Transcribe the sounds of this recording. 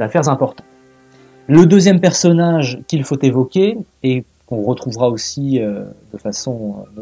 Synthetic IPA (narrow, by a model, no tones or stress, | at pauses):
afɛʁzɛ̃pɔʁt̪ɑ̃ | ləd̪øzjɛmpɛʁsɔnaʒkʲilfot̪evɔkʲeː | kɔ̃ʁət̪χuvʁaosiød̪əfasɔ̃øn